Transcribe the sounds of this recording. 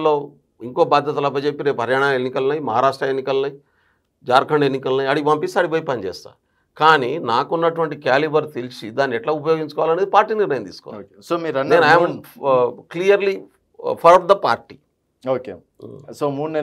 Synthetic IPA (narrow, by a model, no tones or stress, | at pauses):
loː | iŋkoːbaːd̪ʱjɐt̪ɐlɐp̬ːɐjt͡ʃepːiɾeːpɐɾjaːɳ̃aenːikɐlɐnɐjmɐɦaːɾaːʂʈɾɐenːikɐlɐnɐj | d͡ʒaːɾkʰɐɳɖenːikɐlnɐjɐɽipɐmpist̪aːɽipoːjipɐnt͡ʃɛ̰ːst̪a̰ː | kaːninaːkunːɐʈuʋɐɳʈ̬ikaːlibɐɾt̪elisid̪aːnːiɛʈlaːupɐjoːɡiɲt͡ʃɐkɔːʋalɐned̪ipaːɾʈːiːniɾnɐjɐnt̪ḭːsu̥kɔ̰ʋ̰ao | soːmiːɾɐnneːnaj | klijɐɾli | pʰɐɾɐd̪ɐpa̰ːɾʈːiː | oːke | soːmuːɽne